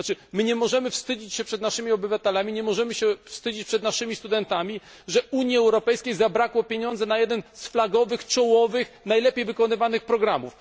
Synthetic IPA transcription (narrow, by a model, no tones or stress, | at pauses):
t͡ʂɘmɘɲɛmɔʐɛmɘfst̪ɘd͡ʑit͡ɕɕɛpʂɛd̪naʂɘmʲiɔbɘvat̪ɛlamʲiɲɛmɔʐɛmɘɕɛfst̪ɘd͡ʑit͡ɕpʂɛd̪naʂɘmʲist̪ud̪ɛnt̪amʲi | ʐɛuɲjiɛwɾɔpɛjskʲejzabɾakwɔpʲjeɲɔ̃nd̪zɛnajɛd̪ɛnsflaɡɔvɘxt͡ʂɔwɔvɘx | najlɛpʲjejvɘkɔnɘvanɘxpɾɔɡɾamuf